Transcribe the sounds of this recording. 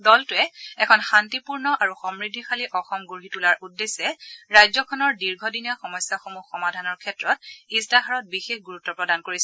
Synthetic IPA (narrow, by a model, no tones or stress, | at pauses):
dɔltʊɛɛkʰɔnxantipuɹnɔʔaɹuxɔmɹidʱixaliʔɔxɔmɡoɹitulaɹʔudːesɛɹajzɔkʰɔnɔɹdiɹɡʱɔdinijaxɔmɔjsːaxomuxɔmadʱanɔɹkʰɛtɹɔt̚istaxaɹɔt̚bixexɡuɹutːɔpɹɔdankoɹisɛ